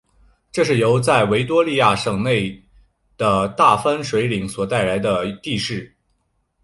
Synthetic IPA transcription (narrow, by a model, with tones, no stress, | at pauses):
ʈ͡ʂɤ˥˧ʂɻ̩˥˩jo˧˥ʊt͡sa˥˩ɪwe˧˥ɪt̪wɔ˥li˥˧ja˥˩ʂɤ˨˩ŋne˥˩ɪ | d̪̥ə˩t̪a˥˩fa˥nʂwe˧˥ɪli˨˩ŋswɔ˨˩t̪a˥˩ɪla˧˥ɪd̪ə˧t̪i˥˧ʂɻ̩˥˩